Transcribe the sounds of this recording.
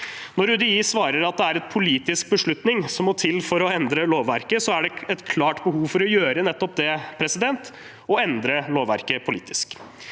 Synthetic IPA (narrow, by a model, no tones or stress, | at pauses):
nɔɾʉd̪ɪiːsʋɑːɾəɾɑt̪̚d̪ɛæɾɛt̪pʰʊliːt̪ɪsk̚bəʂɭʉt̪nɪŋsɔmːɔt̪ʰɪlfɔɾɔɛnd̪ɾəloːʋæɾkəsɔæɖɛɛt̪kʰlɑːʈbəhuːfɔɾɔjøːɾənɛt̪ːɔpd̪ɛpʰɾɛsɪd̪ɛnt̪ | ɔɛnd̪ɾəloːʋːæ̰ɾkəpʰʊlḭːt̪ɪ̥sk